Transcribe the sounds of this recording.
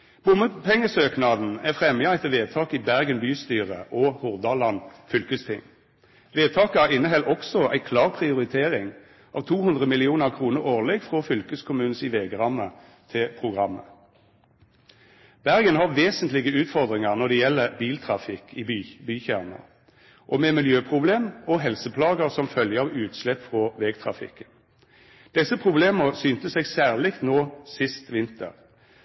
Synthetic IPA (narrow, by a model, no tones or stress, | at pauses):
b̥ʊməpʰɛŋːəsøːknɑd̪n̩æfʁɛmjɑæɪt̪əʋeːd̪̚t̪ʰɑːkɪbæʁɡənbyːst̪yːʁə̰ʔɔhʊʁd̪ɑlɑnfʏlkəst̪ʰɪ̰ŋ | ʋeːd̪̚t̪ʰɑːkəæʁɪnəɦɛlːɔksɔʔæ̰ɪkʰlɑːʁpʰʁɪʊʁɪt̪ʰeːʁɪŋ | ɑːʋt̪ʰuːhʉnd̪ʁəmɪlɪuːnəʁkʰʁuːnəʁoːʁlɛɡfʁoːfʏlkəskʰʊmʉːn̩sɪʋeːɡəʁɑmːə | t̪ʰɪpʰʁʊɡʁɑmːə̰ | b̥æʁɡənɦɑʋeːsənt̪lɪɡəʉːt̪fɔʁd̪ʁɪŋəʁnɔd̪ɛjɛlːəbiːlt̪ʰʁɑfɪkʰːɪbyːçæʁnə̰ʁ | ʔɔmɛmɪljøːpʰʁʊbleːmɔɦɛlsəpʰlɑːɡəʁsɔmfœljəʁʉːt̪slɛpːfʁɔʋɛːɡt̪ʰʁɑ̰fɪ̰kːən | d̪̥ɛsəpʰʁʊbleːməʁsyːnt̪əsɛɡsæːʁlɪkt̪noːsɪst̪ʋɪnt̪ə̰ʁ